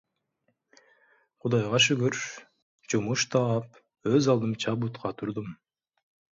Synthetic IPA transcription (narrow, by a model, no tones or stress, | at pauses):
qʰud̪ɑjʁɑʃ̬yɡøɾʃ | d͡ʒumuʃt̪ʰɑp | øzɑlˠd̪ɯmt͡ʃʰɑbut̪qʰɑt̪ʰuɾd̪um